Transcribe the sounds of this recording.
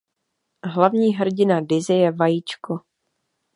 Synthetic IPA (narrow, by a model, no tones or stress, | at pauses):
ɦlavɲiːɦr̩ɟɪnadɪzɪjɛvajit͡ʃko